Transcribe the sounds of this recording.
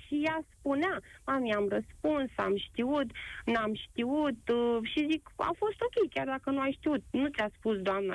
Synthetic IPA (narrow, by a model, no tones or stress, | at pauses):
ʃijaspuneamamiamrəspunsa̰mʃt̪iut̪namʃt̪iut̪ʃizika̰fo̞st̪o̞kʲe̞jkʲard̪akənuajʃt̪iut̪̚nut̪sʲaspusd̪oamnə̰